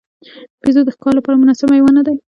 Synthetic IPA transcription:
pezod̪əxkɑlapɑɾamʊnɑsamajwanad̪aj

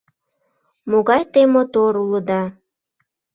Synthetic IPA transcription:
moɣɑjt̪emot̪oɾuləd̪ɑ

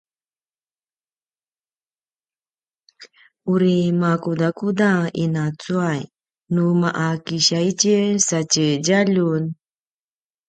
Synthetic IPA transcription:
uɾimakudakudaḭnat͡suaj | numaʔakiɕait͡ʃesat͡ʃed͡ʒaʎun

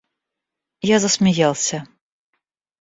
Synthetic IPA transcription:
jazəsmʲɪjalˠsʲə

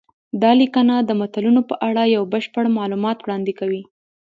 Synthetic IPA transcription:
d̪ɑlikanad̪əmat̪alunopəʔaɽajawbəʃpəɽmɑlumɑt̪wɽɑnd̪ekawi

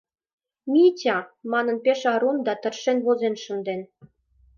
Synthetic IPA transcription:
mʲitʲɑmɑnə̆npeʃɑɾund̪ɑt̪ə̆rʃenβozenʃə̆nd̪en

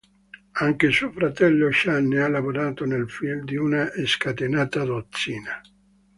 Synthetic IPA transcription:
aŋkesuofɾat̪ɛlːoʃanːealːavoɾaːt̪onelfild̪iunaʔeskat̪enaːt̪ad̪ot̪sːiːna

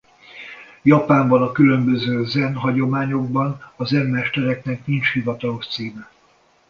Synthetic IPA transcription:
jɒpaːmbɒnɒkylø̞mbøzøːzɛnɦɒɟo̞maːɲo̞ɡ̚bɒnɒzɛnmɛʃt̪ɛɾɛknɛknint͡ʃhivɒt̪ɒlo̞ʃt̪siːmɛ

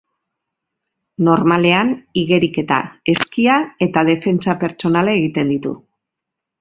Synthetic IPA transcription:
no̞ɾmale̞aniɣe̞ɾike̞t̪a̰e̞skiae̞t̪að̞e̞fe̞nt͡sape̞ɾt͡ʃo̞nalaeɣ̞it̪e̞nd̪it̪ṵ

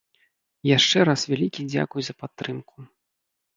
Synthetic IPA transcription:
jaʂt͡ʂɛɾasvʲalʲikʲid͡zʲa̰kujzɐpat̪ːɾɨmku

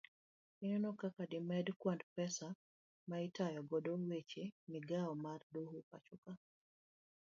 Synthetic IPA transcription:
ɪnɔnɔkakadɪmɛdkwandpɛsa | maɪtajɔɡodowet͡ʃemiɡaɔmardohuka̰t͡ʃuka

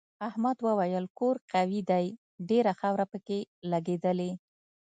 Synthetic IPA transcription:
ahmad̪wəwajəlkoɾqawid̪aj | ɖeɾaxawɾapəkelaɡed̪əle

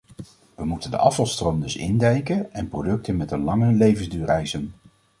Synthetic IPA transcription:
ʋəmutəndə̰ʔɑfɑlˠstrowmdɵsɪ̰ndɛjkəɛnprowdɵk̚tənmɛtənlɑŋəlejvənzdyːrɛjsən

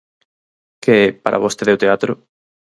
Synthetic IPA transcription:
keɛpa̰ɾʔa̰βost̪eðewt̪eat̪ɾʊ

